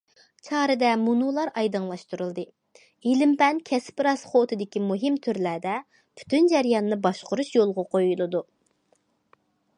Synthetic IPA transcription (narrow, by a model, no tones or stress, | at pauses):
t͡ʃʰɑːɾɨd̪ɛmunulˠɑɾɑjd̪ɨŋlˠɑʃt̪uɾulˠd̪ɨ | ilɪmpɛnkʲʰɛspɾɑsχot̪ʰɨd̪ɪkʲimuɦɪmt̪ʰyɾlæd̪ɛ | pʰy̥t̪ʰynd͡ʒɛɾjɑnːɨbɑʃqʊɾuʃjolˠʁɑqojulˠɨd̪u